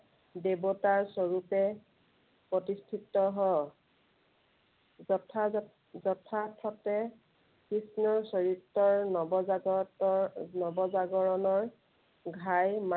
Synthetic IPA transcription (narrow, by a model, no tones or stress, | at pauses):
debɔtaɹsɔɹupɛ | pɹɔtistʰitːɔɦɔ | ɔtʰa | zɔtʰatʰɔtɛ | kɹisnɔɹsɔɹitːɔɹnɔba | nɔbɔzaɡɔɹɔnɔɹ | ɡʱajma